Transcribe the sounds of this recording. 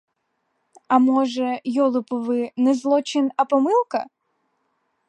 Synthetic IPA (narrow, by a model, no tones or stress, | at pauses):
ɐmɔʒɛjɔlˠɨpɔvɨnɛzlˠɔt͡ʃɪnɐpɔmɨlˠkɐ̰